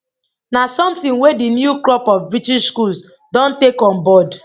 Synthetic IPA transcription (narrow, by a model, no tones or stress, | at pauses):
nasɔ̃mtĩnwedinjuklɔpɔfbɹitiʃskuls | dɔ̃ntekɔ̃nbɔd